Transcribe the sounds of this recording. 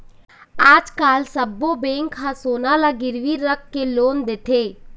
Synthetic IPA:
aːd͡ʒkaːlsɐbːobeːŋkɦãsoːnalaɡɪɾʋiɾːəkːeloːnd̪eːt̪ʰeː

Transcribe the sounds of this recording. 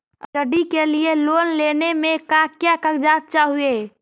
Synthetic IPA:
əəɖikelielonlenemekakjakəɡd͡ʒat̪̚t͡ʃaɦue

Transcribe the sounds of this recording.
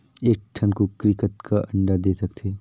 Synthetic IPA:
eːk̚ʈʰənkokɾɪkət̪kʰaʔɐ̃ɳɖad̪eːsɐkt̪ʰeː

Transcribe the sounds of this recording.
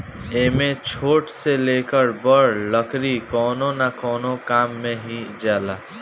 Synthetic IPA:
eːmẽt͡ʃʰoːʈseleːkəɾbəɾləkʰɾikɔːnonakɔːnokaːmːẽɦid͡ʒaːlaː

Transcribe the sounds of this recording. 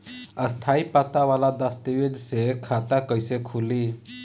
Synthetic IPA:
əst̪ʰaipat̪aʋalad̪ast̪iʋed̪sekʰat̪akəjsekʰuli

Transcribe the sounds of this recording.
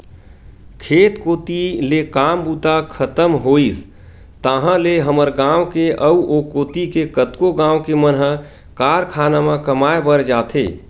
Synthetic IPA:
kʰeːt̪koːt̪ilekaːmbut̪akʰət̪əmɦoːis | t̪əɦə̃leɦəməɾɡãwkeʔəuʔokoːt̪ikekət̪koɡãːwkemənɦə | kaːɾkʰanamãkəmaebəɾd͡ʒaːt̪ʰḛ

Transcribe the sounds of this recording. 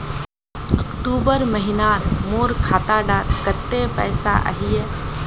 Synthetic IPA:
ɐkʈuːbəɾməɦɪnaːt̪moːɾkʰaːt̪aɖaːt̪kət̪ːepɛ̰ːsa̰ʔə̰ɦije

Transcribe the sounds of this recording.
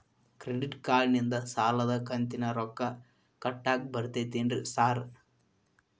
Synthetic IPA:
kɾeɖiʈkaːɭnind̪ɐsaːlɐðɐkɐnt̪inɐɾokːɐ | kɐʈːaːk̚bɐɾɯt̪ːɐt̪ːeːndrɯsaːɾ

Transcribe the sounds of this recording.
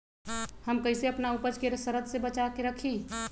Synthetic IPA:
həmkəɪseɐpnaupəd͡ʒkeɾsəɾəd̪sebət͡ʃakeɾəkʰĩ

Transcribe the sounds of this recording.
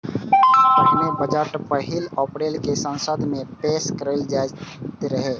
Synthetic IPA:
nebəd͡ʒəʈpəɦɪlɔːpɾeːlkesə̃nsəd̪ʱmẽpeːskəɾeld͡ʒat̪ɾəɦeː

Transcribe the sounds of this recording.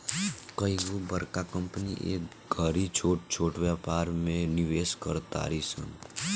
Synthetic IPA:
kəiɡobəɾkakə̃mpnḭʔḛːk | ɡʱəɾit͡ʃʰoːʈ̚t͡ʃʰoːʈʋjapaːɾmẽniʋeːskəɾt̪a̰ːɾisə̰n

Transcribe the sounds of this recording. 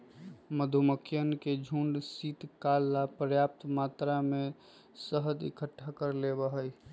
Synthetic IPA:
məd̪ʱuməkʰjənked͡ʒʱũɳɖsit̪kalːapɾəjap̚t̪mat̪ɾame | səɦəd̪ḭkəʈʰːakəɾlebəɦəj

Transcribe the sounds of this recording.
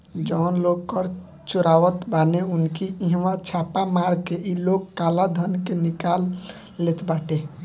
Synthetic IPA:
d͡ʒɔnloɡkʌɾ | t͡ʃuɾaʋət̪baneunkiiɦmat͡ʃʰapamaɾkeʔilokːalad̪ʱʌnkenikalː | et̪baʈe

